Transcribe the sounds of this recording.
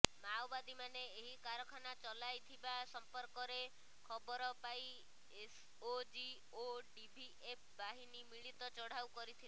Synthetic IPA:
mawbad̪imaneeɦikaɾɔkʰanat͡ʃɔlajt̪ʰibasɔmpɔɾkɔɾe | kʰɔbɔɾɔpaj | es | od͡ʒi | oɖibʱi | ep̚ʰbaɦinimiɭit̪ɔt͡ʃɔɽ̤awkɔɾit̪ʰila

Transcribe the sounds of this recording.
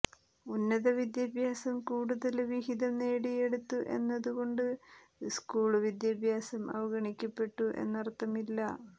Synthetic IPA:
unːɐðɐʋid̪jɐbʱjaːsɐmkuːɽuðɐlʋiɦiðɐmne̞ːɽije̞ɽut̪ːuʔe̞̰nːɐðuɣo̞ɳɖɨ | skuːɭʋid̪jɐbʱjaːsɐmɐ̰ʋɐɡɐɳikʲːɐpːe̞ʈːuʔe̞̰nːɐrt̪ːɐmilːɐ

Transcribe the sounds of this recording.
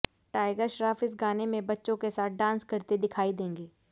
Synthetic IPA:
ʈaːɪɡəɾʃɾaːfɪs̬ɡaːnemẽbɐtːʃõkesaːt̪̚ʰɖãːnskɐɾt̪ed̪ɪkʰaːid̪ẽːŋɡeː

